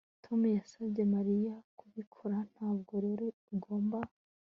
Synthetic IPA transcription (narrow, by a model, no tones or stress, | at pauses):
tʰo̞mujasabɟe̞maɾijakuβikʰoɾan̥haːb̚ɡo̞ɾe̞ɾeuɡo̞ːmba